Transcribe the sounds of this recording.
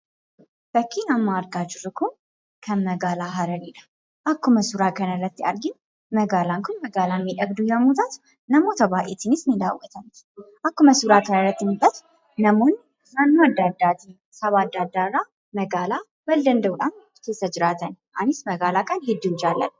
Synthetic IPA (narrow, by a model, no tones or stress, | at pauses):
b̥əkʰːinamːaɾɡad͡ʒɪɾɨkʰun | kʰəməɡaːlaɦɐɾəlilɐ | ʔakːuməsuɾakʰɐnəɾət̪ːia̰ɾɡɪm | məɡalaŋkʰʊnmɐɡaːlanmiᶑɐɡd̪ujɛmot̪ʰat̪ | nɐmot̪ʰɐbaːʔet̪ʰɪnɪsnid̪awːɔt̪ʰəmt̪ | ʔakːuməsuɾakʰənəɾət̪ːɪnbət̪ | nəmon | anːaad̪ad̪at̪ʰi | sɐβad̪ad̪ːaɾa | məɡala | bɐld̪ənd̪əwᶑ̪an | t̪ʰesɐd͡ʒɪɾat̪ʰɐnʔanɪsmɐɡalakʼanhɪd̪ːiwʊd͡ʒalːən